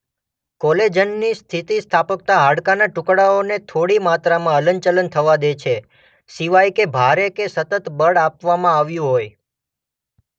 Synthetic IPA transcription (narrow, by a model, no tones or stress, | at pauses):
kɔled͡ʒənːist̪ʰit̪ist̪ʰapək̚t̪aɦaɽkanaʈʊ̃kɽaonet̪ʰoɽimat̪ɾamãələɲt͡ʃələnt̪ʰəʋad̪et͡ʃʰe | siʋajkebʱaɾekesət̪ət̪bəɽapʋamãaʋjũɦoj